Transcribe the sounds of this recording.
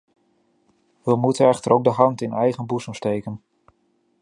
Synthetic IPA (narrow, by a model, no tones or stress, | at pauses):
ʋəmutənɛχtəɾowɡ̚dəɦɑntɪnɛjχənbusəmstejkən